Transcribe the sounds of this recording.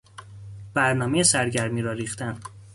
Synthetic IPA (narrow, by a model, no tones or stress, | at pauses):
b̥æɾnɒːmejesæɾɟæɾmiːɾɒːɾiːxt̪ʰæn